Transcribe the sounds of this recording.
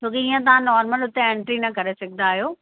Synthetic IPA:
t͡ɕʰoːkeiːə̃t̪ɐʋãnɔːɾməlʊt̪eẽɳʈɾinɐkɐɾesɐɡʱɪnaːɦijoː

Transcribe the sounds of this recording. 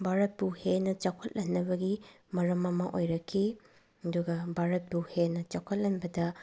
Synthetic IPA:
bʱaɾɐt̚buhenɐt͡ʃawkʰɐt̚lɐnːɐbɐɡi | mɐɾɐmɐmɐʔojɾɐkʰːi | ɐduɡɐbʱaɾɐt̚buhenɐt͡ʃakʰɐt̚lɐnbɐdɐ

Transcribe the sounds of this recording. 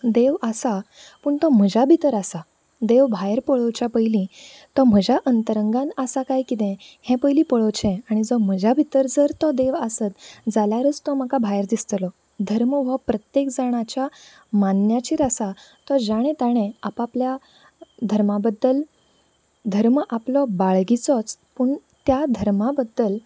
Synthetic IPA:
d̪eʋəsa | pəɳt̪ɔm̤əd͡ʑabʱit̪əɾasa | d̪eʋbʱajəɾpəɭɔt͡ɕapəjlĩ | t̪ɔm̤əd͡ʑʱaʔənt̪əɾəŋɡãnasakajkit̪ɛ̃hɛ̃pəjlĩpəɭɔt͡ɕɛ̃aɽ̃id͡zɔm̤əd͡ʑʱabʱit̪əɾd͡zəɾt̪ɔd̪eʋasət̪d͡zaljaɾət͡st̪ɔməkabʱajəɾd̪ist̪lɔ | d̪ʱəɾməʋəpɾət̪jekd͡zaɽ̃at͡ɕja | manjat͡ɕiɾasat̪ɔd͡zaɽ̃ẽt̪aɽ̃ẽapaplja | d̪ʱəɾmabəd̪ːəl | d̪ʱəɾməʔaplɔbaɭɡit͡sɔt͡spuɳt̪jad̪ʱəɾmabəd̪ːəl

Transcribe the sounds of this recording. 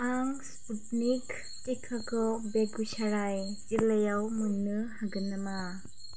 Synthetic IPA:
aŋsput̚nik | ekʰakɔbekɡusaɾaj | zilɐjawmuŋnɯhaɡɯnama

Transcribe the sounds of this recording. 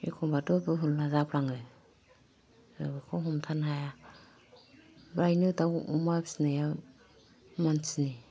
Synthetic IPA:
ḛkʰɔmbatɔbɯɦulnazapʰlaŋɯ | ɯbɯkʰɔɦɔmtʰanɦaja | bɾajnɯtawumabsnaja | mansni

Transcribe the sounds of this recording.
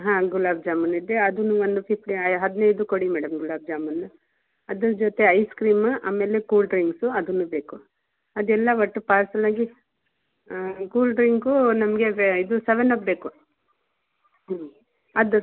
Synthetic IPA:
ɦãːɡulaːbd͡ʒaːmɐnid̪eɐd̪unuʋond̪upʰipʰʈiɐɦɐd̪inɐjd̪ukoɽimɛːɽɐmɡulaːb̚d͡ʒaːmɐnːu | ɐd̪ɐɾd͡ʒoːt̪e̞ɐjskɾiːmʔa̰ːmːe̞ːlekuːlɖɾiŋɡsuɐd̪unːube̞ːku | ɐd̪ɛlːɐʋɐʈːupaːlsɐlaːɡi | kuːlɖɾiŋɡunɐmɐɡeid̪useʋenɐpbe̞ːku | ɐd̪u

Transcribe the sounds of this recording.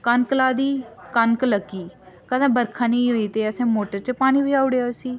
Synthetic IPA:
kənkəlaːd̪iːkənkləɡiː | kəd̪ãːbəɾkʰãːnẽĩɦoːiːt̪eːəsẽːmoːʈəɾt͡ʃpaːñiːbiːaːʊɽejasiː

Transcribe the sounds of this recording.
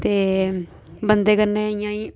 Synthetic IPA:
t̪eː | bənd̪eːkəɾnẽːɪjãːiː

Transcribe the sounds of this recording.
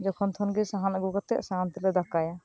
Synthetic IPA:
d͡ʒɔkʰɔnt̪ʰɔnɡisaɦanaɡukɔt̪ɛʔsaɦant̪ilɛd̪akaja

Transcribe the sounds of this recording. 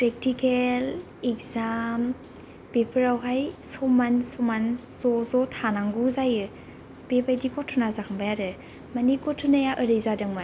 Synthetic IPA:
pɾek̚tikel | ekzam | b̥epʰɯɾawɦajsɔmansɔman | zɔzɔtʰanaŋɡuzajɯ | b̥ebajdikɔtʰɔnazakʰambajaɾɯ | manikɔtʰɯnajaʔəɾɯjzadɯŋma

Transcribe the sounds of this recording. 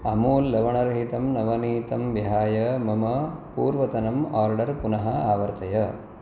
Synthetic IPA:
ɐmuːlːɐʋɐɳɐɾɐɦit̪ɐmnɐʋɐniːt̪ɐmʋiɦaːjɐmɐmɐpuːɾʋɐt̪ɐnɐmaːɾɖɐɾpunɐɦɐaːʋɐɾt̪ɐjɐ

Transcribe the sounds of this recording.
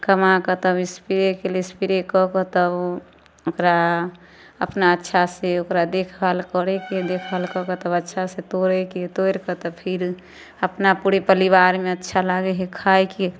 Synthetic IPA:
kəmakɔt̪əbispiɾekelespiɾekɔkɔt̪ɔb | okɾa | ə̰pnaətːʃʰaseokɾad̪ekʰbalkɔɾɛked̪ekʰbalkɔkɔt̪əbətːʃʰaset̪oɾɛket̪oeɾkɔt̪ɔpʰiɾ | əpnapuɾepəlibaɾmeətːʃʰalaɡeɦekʰajke

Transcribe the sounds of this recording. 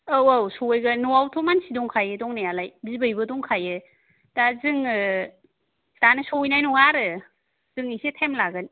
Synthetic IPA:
awawsɔjɡanuwawtʰɔmansidɔŋkʰajɯdɔŋnajalajbibɯjbɯdɔŋkʰajɯ | dazɯŋɯ | tanɯsɔwjnajnɔŋaɾɯ | z̥ɯŋisetʰemlaɡɯn

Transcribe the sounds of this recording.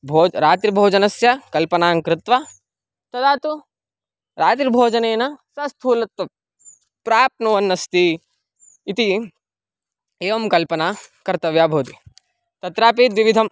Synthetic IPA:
bʱoːɾaːt̪ɾibʱoːd͡ʒɐnɐsjɐkɐlpɐnaːŋkɾɪt̪ʋa | t̪ɐd̪aːt̪u | ɾaːt̪ɾibʱoːd͡ʒɐneːnɐsɐst̪ʰuːlɐt̪ːɐ | pɾaːp̚nuʋɐnːɐst̪iː | t̪i | eːʋɐmkɐlpɐnaːkɐɾt̪ɐʋjaːbʱoːd̪i | t̪ɐt̪ɾaːpiːt̪ʋiʋid̪ʱɐm

